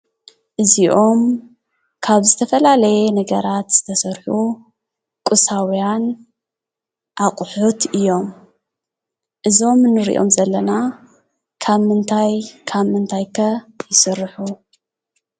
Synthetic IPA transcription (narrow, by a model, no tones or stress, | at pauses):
ʔɨziʔo̞m | kʰaβzɨt̪ʰɐfɐlalɐjenɐɡɐɾat̪z̥ɨ̥t̪ʰɐsɐɾħu | kʼɨsawijan | ʔaqʼħut̪ʔɨjːo̞m | ʔɨzo̞mnɨɾḭʔo̞̰mzɐlːɐna | kʰaβmɨnt̪ʰajkʰaβmɨnt̪ʰajkʰɐjɪsɨrːħu